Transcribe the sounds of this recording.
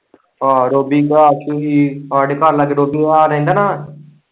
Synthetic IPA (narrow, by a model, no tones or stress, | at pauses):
aːɾoːbiːkaːət͡ʃʰːuːɦiːaːɖekəɾlaɡeɾoːbiːaːɾɦĩnd̪aːnaː